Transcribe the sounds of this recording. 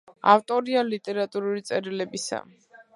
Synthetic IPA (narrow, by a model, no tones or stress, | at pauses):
aft̪ʼɔɾialit̪ʼɛɾat̪ʼuɾulit̪sʼɛɾilɛbisa̰